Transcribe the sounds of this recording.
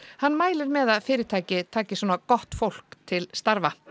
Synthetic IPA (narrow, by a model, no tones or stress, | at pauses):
hanːmaːjlɪɾmɛðaðfɪːɾɪɾ̥t̪ʰaːjcɪt̪ʰaːcɪsɔːnakɔht̪fowl̥kt̪ʰɪlst̪aɾva